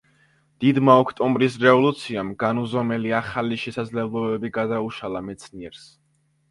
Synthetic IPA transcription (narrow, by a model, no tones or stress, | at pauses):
d̪̥id̪maɔkʰt̪ʼɔmbɾisɾɛvɔlˠut̪sʰiamɡanuzɔmɛliaχaliʃɛsad̪zlɛblˠɔbɛbiɡad̪auʃalˠamɛt̪sʰniɛɾs